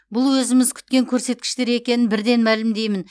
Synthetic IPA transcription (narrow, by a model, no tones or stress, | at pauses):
bʊlˠwɵzɪmɪzkʲʰʏ̥t̪̚kʲe̞ŋkʲʰɵɾse̞t̪̚kʲɪ̥ʃt̪e̞ɾe̞kʲe̞nɪnbɪɾd̪e̞nmælɪmd̪e̞jmɪn